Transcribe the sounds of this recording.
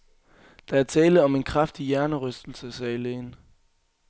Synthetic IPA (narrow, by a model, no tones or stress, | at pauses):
d̥ɑ̈æɐt͡sʰɛːləð̩ˠɒ̽me̝nkʰʁafd̥ijæɐnəʁœsd̥l̩səsɛːleːn